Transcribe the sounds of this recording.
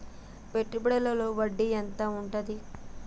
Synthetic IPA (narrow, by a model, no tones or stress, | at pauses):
peʈːubɐɽɐlɐlo̞ːʋɐɖːiɛnt̪ɐuɳʈɐd̪i